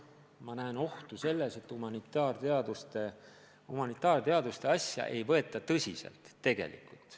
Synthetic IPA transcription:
mɑnæeno̞ht̪use̞lːese̞t̪ːˑhumɑnit̪ːˑɑːrt̪eɑd̪̥ust̪e | humɑnit̪ːˑɑːrt̪e̞ɑd̪ust̪e̞ɑsʲjɑ̰ʔe̞jvɤe̞t̪ːˑɑt̪ɤsʲise̞̰lt̪ːe̞ɡ̥e̞̰lḭkːˑult̪ˑ

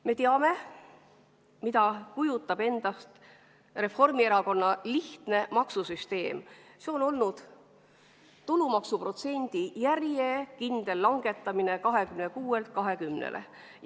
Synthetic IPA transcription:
me̞t̪eɑme̞ | mid̪ɑkujut̪ːˑɑb̥e̞nd̪̥ɑst̪ | re̞fo̞rmieɾɑko̞nːɑliht̪ne̞mɑksusyst̪e̞ːmse̞o̞no̞lnud̪̥ | t̪ulumɑksupro̞t̪se̞nʲd̪̥ijærjekind̪̥e̞lːɑŋɡ̥e̞t̪ːˑɑmine̞kɑɦe̞kymnekuːe̞lt̪̚kɑɦe̞kymnḛlʔḛ

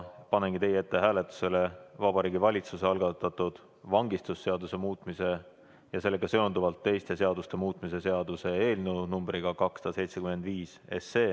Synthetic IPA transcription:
pɑne̞ŋɡ̥it̪e̞jːee̞t̪ːe̞ɦæːlet̪ːˑu̥se̞le̞vɑb̥ɑɾiːɡivɑlʲit̪suse̞ɑlɡɑt̪ːɑt̪ːˑud̪̥ | vɑŋɡist̪usːe̞ɑd̪use̞muːt̪mise̞ | jɑse̞lːeɡ̥ɑse̞o̞nd̪uvɑlt̪ːe̞jst̪e̞se̞ɑd̪ust̪e̞muːt̪mise̞se̞ɑd̪̥use̞eːlnunumbɾiɡ̥ɑkɑksɑd̪̥ɑse̞jt̪se̞kyme̞nd̪viːs | e̞sːe̞ː

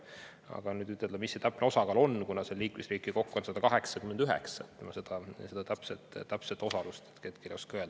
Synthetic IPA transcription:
ɑ̰ɡ̥ɑnyːd̪yt̪ːet̪ːemisːet̪æpːˑneo̞sɑkɑlo̞nːkunɑseliːkmesriːkˑiko̞kːuonsɑd̪ɑkɑɦe̞ksɑkymːend̪yɦɛ̰ksɑtt̪ːemɑse̞d̪̥ɑse̞d̪ɑt̪æpset̪ːˑt̪ːæpset̪ːˑo̞sɑlust̪et̪ket̪̚kʰeljoskøeld̪

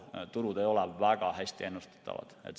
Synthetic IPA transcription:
t̪uɾud̪e̞jo̞lɛvæɡ̥ɑɦæsʲt̪ie̞nːust̪e̥t̪ːɑ̰ʋɑ̰d̪̥ḛt̪

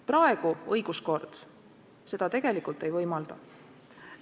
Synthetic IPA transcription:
prɑeɡ̥uɤjɡ̥usko̞rd̪̥ | se̞d̪̥ɑt̪e̞ɡ̥e̞likult̪ːˑe̞jvɤjmɑld̪̥ɑ

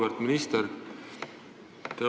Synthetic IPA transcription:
vɑɾt̪minist̪eɾ | t̪e

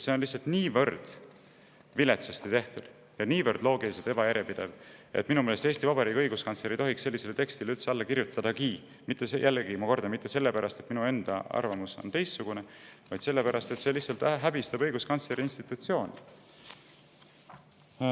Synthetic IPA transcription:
seo̞nlihsːɑlt̪niːvɤrd̪̥ | vile̞t̪sest̪it̪e̞ht̪ud̪̥ | jɑniːvɤrd̪̥lo̞ːɡiliselt̪e̞bɑjæɾepid̪̥e̞ve̞t̪minumeːlest̪eːst̪ivɑbɑɾiːkːɤjɡ̥uskɑnt̪sle̞ɾijt̪o̞ɦiksse̞lːise̞let̪e̞kst̪ileylt̪seɑlːɑkiɾjut̪ːˑɑd̪̥ɑkiː | mit̪ːˑesejʔælːeɡimɑko̞rd̪ɑmit̪ˑːe̞se̞lːe̞pæɾʔɑst̪e̞t̪minue̞nd̪̥ɑ̰ɑ̰rvɑmuso̰nt̪e̞jst̪suɡ̥une̞vɑjd̪se̞lːe̞pæɾɑst̪e̞t̪se̞lihsɑlt̪æɦæbist̪ɑbɤjɡ̥uskɑnt̪sle̞ɾiinst̪it̪ːˑut̪sio̞ːnʲi

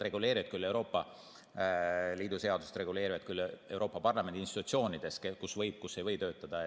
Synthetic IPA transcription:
re̞ɡ̥ule̞ːɾivɑt̪̚kylːe̞wɾo̞ːpːˑɑ | liːd̪̥use̞ɑd̪̥use̥t̪re̞ɡule̞ːɾivɑt̪̚kylːe̞wɾo̞ːpːˑɑpɑrlɑmend̪inst̪it̪ut̪sio̞ːnʲid̪̥e̞skkusvɤjb̥̚kusːejvɤjt̪ø̞ːt̪ːˑɑd̪̥ɑ

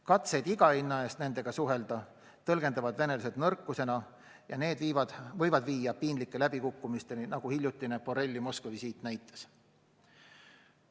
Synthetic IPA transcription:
kɑt̪se̞jd̪iɡɑinːɑe̞ːst̪ne̞nd̪̥e̞ɡ̥ɑsuɦe̞ld̪̥ɑ | t̪ɤ̞lɡ̥e̞nd̪ɑvɑd̪̥ve̞ne̞luse̞d̪nɤrkːˑuse̞nɑ | jɑne̞ːd̪vivvɤjvɑd̪viːjɑpinlikːˑe̞læb̥ikukːumist̪e̞ninɑɡ̥uhiljut̪ːˑinepo̞ɾe̞lʲːimo̞skvisiːt̪næjt̪ːˑes

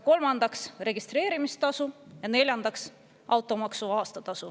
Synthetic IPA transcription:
ko̞lmɑnd̪̥ɑksre̞ɡist̪ɾe̞ːɾimist̪ɑsujɑne̞lʲjɑnd̪̥ɑks | ʔɑwt̪ˑo̞mɑksuɑːst̪ɑt̪ɑsu

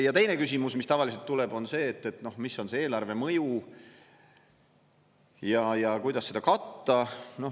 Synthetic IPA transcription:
jɑt̪e̞jnekysimusmist̪ɑvɑlis̬elt̪ːulɛb̥o̞nse̞ːt̪ːe̞t̪no̞hmisːo̞nse̞e̞ːlɑrve̞mɤju | jɑjɑkujd̪̥ɑsed̪ɑkɑt̪ːɑno̞

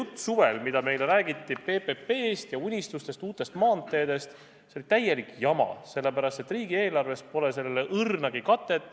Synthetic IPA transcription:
jut̪ːˑsuve̞lmid̪̥ɑme̞jleɾæːɡ̥it̪ːipe̞ːpepe̞ːst̪jɑunʲist̪ust̪e̞st̪uːt̪ːˑe̞st̪mɑːnt̪ːˑe̞ːd̪̥e̞st̪ | se̞olit̪æje̞likjɑmɑ̰se̞lːe̞pæɾɑst̪e̞t̪ːriːɡie̞ːlɑrve̞spo̞lese̞leleʔɯrnɑɡ̥ikɑt̪ːˑe̞t̪ːˑ

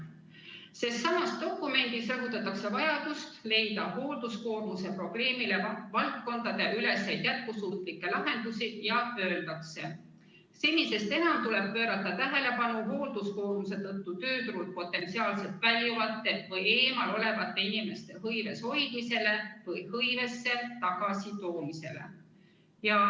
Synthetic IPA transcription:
se̞st̪sɑmɑst̪d̪̥o̞kːˑume̞nd̪̥isɑvut̪ːˑɑt̪ːˑɑkse̞vɑjɑd̪̥ust̪le̞jd̪ɑɦo̞ːld̪̥usko̞ːrmuse̞pro̞b̥le̞ːmile̞ɑvɑlt̪ko̞nd̪̥ɑd̪̥eʔyle̞sːejd̪̥jæt̪̚kusuːt̪ˑlikːe̞lɑɦe̞nd̪̥usijɑpø̞ːld̪̥ɑkse̞ | selʲːise̞st̪e̞nɑmt̪ule̞b̥̚pø̞ːɾɑt̪ːˑɑt̪æɦe̞le̞pɑnuɦo̞ːld̪usko̞ːrmuse̞t̪ɤt̪ːut̪ø̞ːt̪uɾult̪̚po̞t̪ːˑe̞nt̪siɑːlse̞lt̪vælʲjuvɑt̪ːˑe̞vɤje̞ːmɑlo̞le̞vɑt̪ːˑe̞inime̞st̪e̞ɦɤjve̞sho̞jd̪̥mise̞le̞vɤjhɤjve̞sːe̞t̪ɑɡ̥ɑsit̪o̞ːmise̞̰lḛ | jɑ

